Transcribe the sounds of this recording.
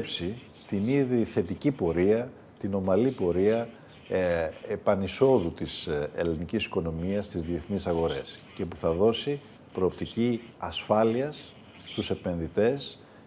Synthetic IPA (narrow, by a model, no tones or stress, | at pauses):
psi | t̪iniðiθe̞t̪icipo̞ɾiɐ | t̪ino̞mɐlipo̞ɾiɐ | epɐniso̞ðut̪isḛlinicisi̥ko̞no̞miɐst̪izðie̞θnisɐɣo̞ɾe̞sce̞puθɐðo̞si | pɾo̞ːpt̪ici | ɐsfɐliɐs | st̪use̞pẽ̞nðit̪e̞s